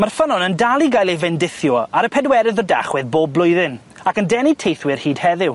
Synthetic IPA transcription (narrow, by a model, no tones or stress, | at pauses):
marfənɔnəndalˠiɡajlˠejvɛndɪθjɔaɾəpʰɛdwɛɾɨðɔda̰χwɪðboːb̚ːlˠʊjðɨn | akəndɛnitʰejθwɪrhiːd̥hɛðɪw